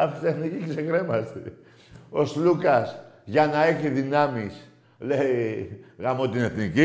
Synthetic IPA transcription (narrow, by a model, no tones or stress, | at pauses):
ɐft̪it̪eθniciksekɾe̞mɐst̪i | o̞slukɐsʝɐnɐe̞çiðinɐmis | leiɣɐmot̪ine̞θnici